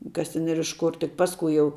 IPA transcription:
kɐs ˈtʲɛn ɪr ɪʃ ˈkʊr tʲɪk ˈpɑːskʊɪ jɛʊ

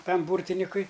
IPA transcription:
ˈtɐm ˈbuːrʲtʲɪnʲɪkʊɪ

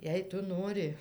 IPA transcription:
ˈjɛɪ ˈtʊ ˈnoːrʲɪ

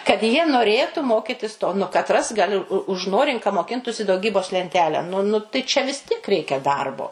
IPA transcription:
kɐt jiɛ noːˈrʲeːtʊ ˈmoːkʲɪtʲɪs toː nʊ kɐˈtrɐs ɡɐˈlʲɪ ʊʒˈnoːrʲɪŋk kɐ moːˈkʲɪntʊsʲɪ dɐʊˈɡʲiːboːs lʲɛnʲˈtʲæːlʲæː nʊ nʊ tɐɪ t͡ʃʲɛ ʋʲɪs ˈtʲiɛk ˈrʲɛɪkʲɛ ˈdɐrboː

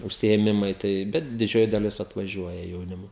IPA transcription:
ʊʃʲsʲɪeːˈmʲɪmɐɪ ˈtɐɪ ˈbʲɛt dʲɪˈd͡ʒʲoːjɪ dɐˈlʲɪs ɐtʋɐˈʒʲuɔjɛ jɛʊˈnʲɪmoː

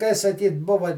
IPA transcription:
kɐɪ sɐˈkʲiːt ˈbʊʋɐ

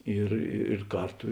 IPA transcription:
ɪr ɪr ˈkɐrˌtʊ

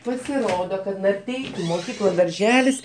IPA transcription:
pɐsʲɪˈroːdoː kɐt nɐrʲˈtʲɛɪkʲʊ moːˈkʲiːklˠɐ dɐrʲˈʒʲæːlʲɪs

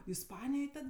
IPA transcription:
ɪsˈpɑːnʲɪjoːj ˈtɐt

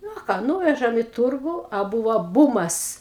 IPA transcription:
ˈnʊ ɐ ˈkɑː ˈnuːʋʲɛʒɐm ɪ ˈtʊrɡʊ ɐ ˈbuːʋɐ ˈbuːmɐs

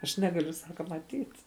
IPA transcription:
ɐʃ ˈnʲæːɡɐlʲʊ ˈsɑːkɐ mɐˈtʲiːt

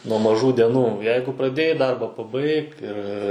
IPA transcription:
nuɔ mɐˈʒuː dʲɛˈnuː ˈjɛɪɡʊ prɐˈdʲeːjɛɪ ˈdɐrbɐ pɐˈbɐɪk ɪr

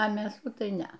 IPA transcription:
ɐ mʲeːˈsuː tɐɪ ˈnʲɛɐ

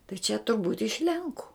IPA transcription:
tɐɪ t͡ʃʲɛ tʊrˈbuːtʲ ɪʃ ˈlʲɛŋkʊ

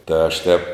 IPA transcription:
tɐɪ ɐʃ ˈtʲɛp

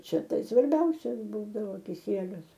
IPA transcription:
ˈt͡ʃʲɛ ˈtɐɪ sʋɐrʲˈbʲɛʊsʲɛs ˈbuːdɐʋoː kʲɪˈsʲiɛlʲʊs

